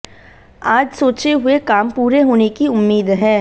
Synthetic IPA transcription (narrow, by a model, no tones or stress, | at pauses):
aːd͡ʒsoːt͡ʃeɦʊekaːmpuːɾeɦoːnekiʊmːiːd̪ɦɛ̃ː